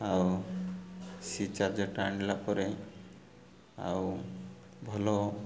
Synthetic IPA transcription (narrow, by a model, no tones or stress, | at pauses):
aw | sit͡ʃaɾd͡ʒɔʈaɳlapɔɾe | a̰w | bʱɔlɔ